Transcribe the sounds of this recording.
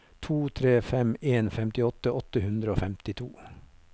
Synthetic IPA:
t̪ʰuːt̪ʰɾeːfɛmeːnfɛmt̪ɪɔt̪əʔɔt̪əhʉnd̪ɾəoːfɛmt̪ɪt̪ʰuː

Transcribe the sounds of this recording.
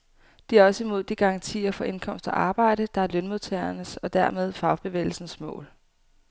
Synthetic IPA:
d̥iæɐɒ̽səimo̝ð̞̰ˠd̥iɡ̥ɑ̈ʁɑ̈ŋt͡sʰḭːɐfɒ̽ʔe̝nkʰɒ̽m̰sd̥ɒʔɑ̈ːb̥ɑ̈ɪ̰ɾ̥əd̥ɑ̈æɐlønmoðˠt͡sʰḛːɐnəsɒ̽d̥æɐmeð̞ˠfɑ̈ʊb̥e̝ʋḛːɪl̩sn̩smɔ̰̽ːl

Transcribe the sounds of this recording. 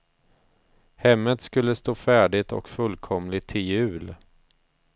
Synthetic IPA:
hɛmːət̪skɵlːəst̪oːfæːɖɪt̪ʰɔ̰kfɵlkʰɔmlɪt̪ʰːɪljʉ̟ːl

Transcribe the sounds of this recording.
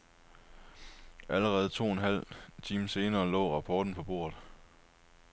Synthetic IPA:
ʔæləʁɛːð̩ˠt͡sʰo̝̰ːenɦæl̰t͡sʰiːmse̝ːnɐːlɔ̰̽ːʁɑ̈pʰɒːd̥n̩pʰɒ̽b̥o̝̰ːɐðˠ

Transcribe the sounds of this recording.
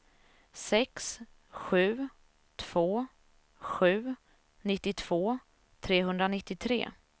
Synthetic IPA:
sɛks | ɧʉ̟ː | t̪ʰv̥oː | ɧʉ̟ː | nɪt̪ːɪt̪ʰv̥oː | t̪ʰɾeːɦɵnd̪ɾanɪt̪ːɪt̪ʰɾḛː

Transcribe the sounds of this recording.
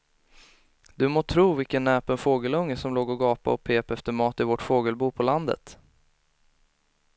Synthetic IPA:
d̪ɵmoːt̪ʰɾuːvɪlkənːɛːpənfoːɡəlɵŋːəsɔmloːɡɔɡɑːpa̰ɔpʰeːpɛft̪əɾmɑːt̪ɪvɔʈfoːɡəlbuːpʰɔland̪ə̰t̪

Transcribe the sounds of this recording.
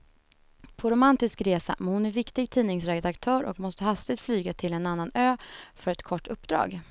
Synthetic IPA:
pʰɔɾʊmant̪ɪskɾeːsa̰mɛnhʊnæɾvɪkt̪ɪɡ̚t̪ʰiːnɪŋsɾɛɡəd̪akt̪ʰœːɾʔɔ̰kmɔst̪əhast̪ɪɡ̚t̪flyːɡat̪ʰɪlɛnanːanøːfœɾɛt̪kʰɔʈːɵpːd̪ɾɑ̰ːɡ

